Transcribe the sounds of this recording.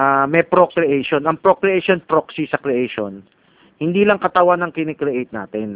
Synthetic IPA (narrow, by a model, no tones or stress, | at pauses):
amɛpɾokɾɛʔejʃo̞nɐŋpɾokɾɛʔejʃonpɾoksisɐkɾɛʔejʃo̰n | hɪnd̪iːlɐŋkɐt̪ɐwanɐŋkɪnɛkɾɛʔejt̪̚na̰ːt̪ɛn